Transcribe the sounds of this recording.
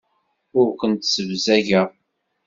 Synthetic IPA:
ʊɾkʷənt̪səvzæʝəʁ

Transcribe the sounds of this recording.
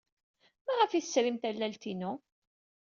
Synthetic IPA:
mæʁəfiθəsɾimt̪ælːælt̪inu

